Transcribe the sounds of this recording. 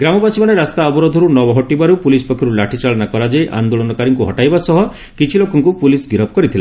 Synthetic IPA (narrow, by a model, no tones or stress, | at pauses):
ɡɾamɔbasimaɽ̃eɾast̪aɔbɔɾod̪ʱɔɾunɔbɔɦɔʈibaɾupulispɔkʰɔɾulaʈʰit͡ʃaɭɔnakɔɾad͡ʒajʔa̰nd̪oɭɔnɔkaɾiŋkuɦɔ̰ʈajbasɔɦɔ | kit͡ʃʰilokɔŋkupulisɡiɾɔpɔkɔɾit̪ʰila